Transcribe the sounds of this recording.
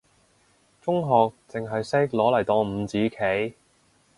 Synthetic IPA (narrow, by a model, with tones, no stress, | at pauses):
t͡sʊ˥ŋɦɔː˨k̚t͡sɪ˨ŋɦɐ˨jsɛː˥k̚lɔː˨˥lɐ˨˩jt̪ɔː˧m̩˨˧t͡siː˨˥kʰe˨˥j